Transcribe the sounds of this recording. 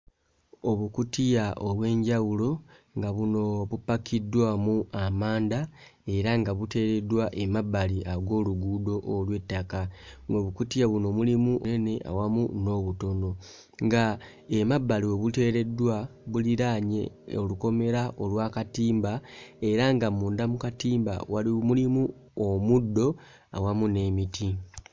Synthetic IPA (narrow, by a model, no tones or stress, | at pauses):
o̞βukutijaʔoβwe̞ːɲɟawulo̞ŋɡaβuno̞βupːakʰidwamuamaːnda | e̞ɾaŋɡaβute̞ːɾe̞dwaʔe̞mabːaliʔaɡo̞ːluɡudo̞ʔolwe̞tːakaŋɡo̞βukutijaβuno̞ːmulimuʔonene̞ʔa̰wamuno̞ːβuto̞no̞ | ŋɡa | emabːalio̞βute̞ːɾe̞dwaβuliɾaːɲe̞̰oluko̞me̞ɾaʔo̞lwaːkatiːmbae̞ɾaŋɡamuːnd̪amukatiːmba̰walimulimu | omudːo̞ | a̰wamune̞ːmitʰi